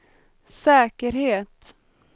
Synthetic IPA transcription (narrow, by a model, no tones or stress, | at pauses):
sɛːkəɾheːt̪